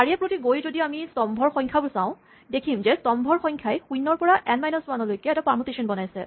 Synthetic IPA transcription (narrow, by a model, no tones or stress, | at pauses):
kaɹiɛpɹotiɡojzodiamistɔmbʱɔɹxɔ̃jŋkʰabʊlsãʊ̃ | dekʰimzɛstɔmbʱɔɹxɔjŋkʰajxujnɔɹpɔɹaʔɛnmajnɔswanɔlojkɛɛtapaɹmutesɔnbɔnajsɛ̰